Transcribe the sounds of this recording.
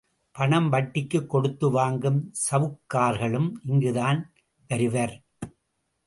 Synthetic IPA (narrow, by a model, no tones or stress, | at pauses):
pɐɳɐmʋɐʈːɪkːɯkːɔɽɯt̪ːɯʋaːŋɡɯmsɐʋɯkːaːɾɣɐɭɯmʔɪŋɡɯðaːn | pɐɾɯʋɐɾ